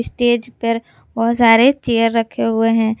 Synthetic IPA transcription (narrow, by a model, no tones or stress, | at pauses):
sʈeːd͡ʒpəɾ | bɔɦt̪saːɾet͡ʃeːjəɾːəkʰːeɦʊeɦɛ̃ː